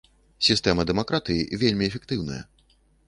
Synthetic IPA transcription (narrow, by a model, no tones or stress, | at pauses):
sʲist̪ɛmɐd̪ɛmakɾat̪ɨjivʲelʲmʲiɛfʲɛkt̪ɨwnɐjɐ̰